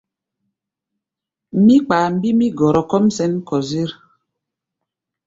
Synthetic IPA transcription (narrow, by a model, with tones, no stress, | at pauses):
mi˦k͡paː˨m̩˦bi˦mi˦ɡɔ˨ɾɔ˨kɔ˦msɛ˦n˦kɔ˨zi˦ɾ